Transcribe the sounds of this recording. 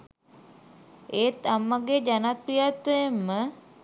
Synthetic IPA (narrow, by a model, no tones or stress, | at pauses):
eːt̪amːaɡed͡ʒanat̪̚prijat̪ːwəjemːə